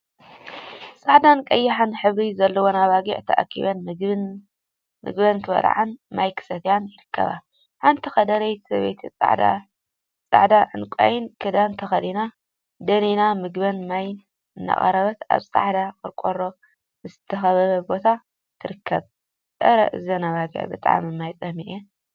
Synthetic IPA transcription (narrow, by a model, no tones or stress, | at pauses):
sʼaʕd̪ankʼɐjːɪħanħɨβɾizɐlːɐwonaβaɡḭʕt̪ʰɐʔa̰kʰːḭβɐnɨ | mɨ̰ɡbɐnt̪ʰɨbɐ̰ɾ̰ʕanmajkʰɨ̥sɐt̪ʰjanjɪɾɨkːɐ̰βa̰ | ħant̪ʰɐxɐd̪ɐɾɐj̪ʰsɐβḛjt̪ʰit͡sʼa̰ʕd̪a̰ | t͡sʼa̰ʕd̪aʔɨ̰nkʼa̰jɪnkʰɐd̪ant̪ʰɐxɐlina | d̪ɐnenamɨɡbɐnmaj | ɨnːa̰χʼɐ̰ɾɐβɐt̪a̰βsʼa̰ʕd̪akɨɾkʼoɾo | mɨst̪ʰːɐxɐβɐβɐbo̞t̪ʰa | t̪ʰɨɾɨkʰːɐβ | sʼɐ̰ɾɐ̰ʔɨ̰zɐnaβaɡḭʕbɨt̪ʼa̰ʕ̰mɨmajt͡sʼɐhmiʔe